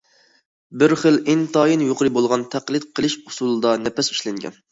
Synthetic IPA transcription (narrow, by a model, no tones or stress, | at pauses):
bɪɾχəlɪnt̪ɑjinjoqəɾɨbolˠʁɑnt̪ʰæqlˠɨt̪̚qʰəlˠɨʃu̥sulˠɨd̪ɑnɛpɛsi̥ʃlɛŋɡʲɛ̰n